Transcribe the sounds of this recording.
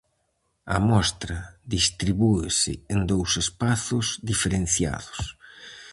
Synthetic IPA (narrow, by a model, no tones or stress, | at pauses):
ɐ̰mɔst̪ɾɐðist̪ɾiβuesɪ̰end̪owsespaθʊzd̪ifeɾẽnθja̰ðʊs